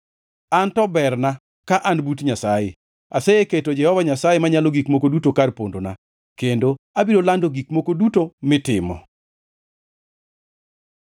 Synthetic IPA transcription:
antɔbɛrna | kaʔanbutɲasajḛ | aseeketod͡ʒɛhɔvaɲasajemaɲaloɡikmokodutokarpondona̰ | kendo | abiɾolandoɡikmokodutomɪtɪmɔ̰

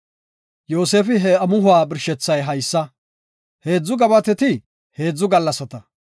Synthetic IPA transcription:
jo̞ːse̞ːfɪɦɛɐmʊhʊwaːbɪɾʃɛt͡sːɐjɦɐjsːɐ | he̞ːd͡zːʊɡɐbɐt̪ɛt̪ɪ | he̞ːd͡zːʊɡɐlːɐsɐt̪ɐ

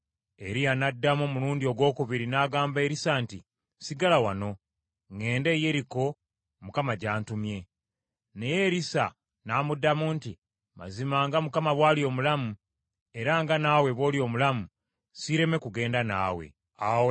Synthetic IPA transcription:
e̞ɾijanadːamomuluːndio̞ɡwo̞ːkuβiɾinaɡaːmbe̞ːɾisaːntḭ | siɡalawano̞ | ŋe̞ːnde̞ːje̞ɾiko̞ | mukamaɟaːntumje̞ | ne̞je̞ɾisa̰ | naːmudːamuːnti | ma̰zimaːŋɡamukamaβwaːlio̞ːmulamu | e̞ɾaŋɡanaːwe̞βo̞ːlio̞ːmulamu | siɾe̞me̞kuɡe̞ːndana̰ːwe̞̰ | awe

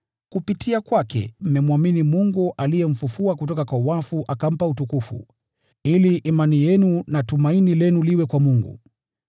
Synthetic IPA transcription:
kupitʰiakwakɛ̰m̩mɛmwaminimuŋɡuʔalijɛm̩fufuakutɔkakwauwafuʔakam̩pautukufṵ | iliʔːmanijɛnunatumainilɛnuliwɛkwamuŋɡṵ

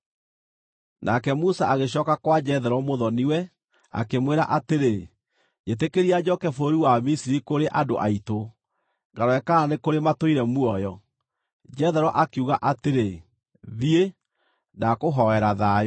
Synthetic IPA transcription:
nʔakɛmusaaɣeɕ̬ɔːkakwad͡ʒɛðɛɾɔmoðɔniwɛ | a̰kemweɾa̰ʔateɾe | et̬ekeɾiad͡ʑɔkɛfoɾiwamisiɾikoɾeʔado̰ʔaito | ɡaɾɔɛkaɾanekoɾematoiɾɛmuɔjɔ | d͡ʒɛðɛɾɔʔakeuɣaʔateɾe | ðie | nakoɦɔɛɾaðaː

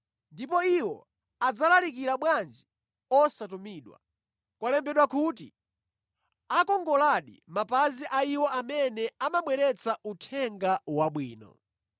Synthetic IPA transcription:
ndipɔiwɔ̰ | ad͡zalalik̬iɾaɓwand͡ʒi | ɔsatumiːɗwa̰ | kwalɛmbɛɗwakuːtḭ | akɔŋɡɔlaɗḭmapaziʔaiwɔʔamɛnɛamaɓwɛɾɛt͡sautʰɛŋɡawaɓwiːnɔ̰

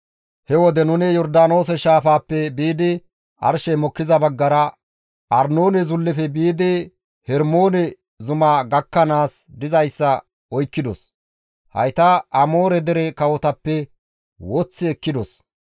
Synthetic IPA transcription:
hɛwɔd̪ɛnʊnɛjɔɾd̪aːno̞ːs̬ɛʃaːfaːpːɛbiːd̪ɪ | ʔɐ̰ɾʃɛmɔkːɪzɐbɐɡːɐɾɐ | ʔɐɾnoːnɛzʊlːɛfɛbiːd̪ɪ | hɛɾmo̞ːnɛ | zʊmaːɡɐkːɐnaːsd̪ɪzɐjsːɐ | ɔjkːɪd̪ɔ̰s | hɐ̰jt̪ɐʔɐmoːɾɛd̪ɛɾɛkɐwɔt̪ɐpːɛ | wɔt͡sːɪɛkːɪd̪ɔs

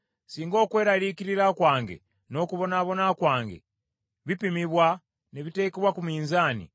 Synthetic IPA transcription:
siːŋɡo̞kwe̞ːɾaliːkiɾiɾakwaːŋɡe̞̰ | no̞ːkuβo̞naβo̞nakwaːŋɡe̞̰ | βipimiβwa | neβite̞ːkeβwakumiːnzaːnḭ

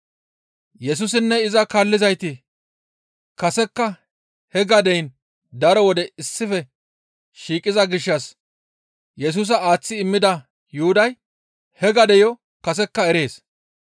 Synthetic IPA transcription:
jɛs̬ʊs̬ɪnːɛɪzɐkɐlːɪzɐjt̪ɪ | kɐsɛkːɐ | hɛɡɐd̪ɛjn | d̪ɐɾɔwɔd̪ɛɪsːɪfɛ | ʃiːkʼɪzɐɡɪʃːɐs | jɛs̬uːs̬ɐaːt͡sːɪːmːɪd̪ɐ | jʊhʊd̪ɐj | hɛɡɐd̪ɛjɔ | kɐs̬ɛkːɐɛɾe̞ːs

